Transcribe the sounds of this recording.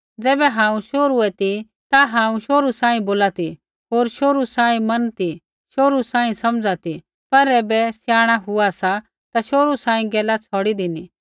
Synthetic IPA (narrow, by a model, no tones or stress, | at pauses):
d͡zɛːbɛɦãːũʃoːɾuɛt̪i | t̪aɦãːũʃoːɾusãːĩboːlat̪i | ɦoːɾʃoːɾusãːĩmɐnt̪i | ʃoːɾusãːĩsɐmd͡zat̪i | pɐɾɛːbɛsjaːɽ̃aɦʊasa | t̪aʃoːɾusãːĩɡɛːlat͡sʰɔːɽid̪ɪni